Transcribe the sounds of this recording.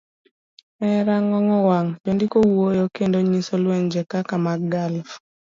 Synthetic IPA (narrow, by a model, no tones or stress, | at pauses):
ɛɾaŋɔŋɔwaŋd͡ʒondikowuojokendoɲisolweɲd͡ʒɛkakamaɡɡali